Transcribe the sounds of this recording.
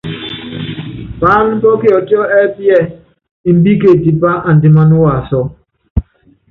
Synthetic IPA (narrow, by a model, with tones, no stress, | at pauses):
pa˦n˦bɔ˦ki˦ɔ˨ti˦ɔ˦ʔɛ˦pi˦ɛ˦˨ | i˨m̩˦bi˦ke˨ti˨pa˦ʔa˨n̩˨dɪ˨ma˦nu˦wa˨sɔ˨˦